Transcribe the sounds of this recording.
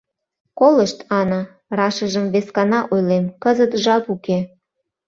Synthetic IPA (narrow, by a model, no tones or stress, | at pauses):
koləʃt̪ɑnɑ | rɑʃəʒəmβeskɑnɑʔojlemkəzət̪ʒɑpuke